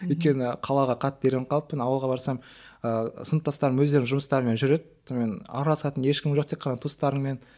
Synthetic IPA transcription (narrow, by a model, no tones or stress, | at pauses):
ʏjt̪̚kʲe̞nɪqʰɑlˠɑʁɑqʰɑt̪ːd̪e̞ɾʲeɴqʰɑlˠəpːənɑwəlˠʁɑbɑɾsɑm | əsənt̪ːɑst̪ɑɾəmwɵzd̪e̞ɾɪŋʒʊməst̪ɑɾəme̞nʒʏɾe̞d̪ɪ | me̞nɑ̰ɾlˠɑsɑt̪ənje̞ʃkʲɪmʒo̞q̚t̪ʰe̞qʰːɑnɑt̪ʰust̪ɑɾəɴme̞n